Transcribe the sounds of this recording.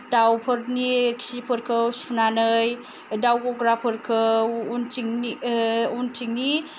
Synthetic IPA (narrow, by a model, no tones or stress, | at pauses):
dawpʰɯɾnikʰi̥sipʰɯɾkʰɯwsunanɯj | dawɡɔɡɾapʰɯɾkʰɯuntiŋiuntʰiŋni